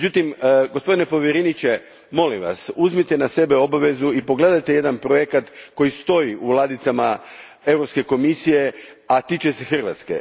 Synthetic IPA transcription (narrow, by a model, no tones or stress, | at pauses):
d͡ʑut̪imɡo̞spo̞d̪inepo̞ʋjeɾenit͡ɕe̞ | mo̞limʋa̰suzmit̪e̞nase̞be̞o̞baʋe̞zuipo̞ɡle̞d̪ajt̪eje̞d̪anpɾo̞jekat̪ko̞jist̪o̞iʔulˠad̪it̪sama | e̞vɾopske̞ko̞misije̞ | at̪it͡ɕe̞se̞xr̩ʋa̰t̪ske̞̰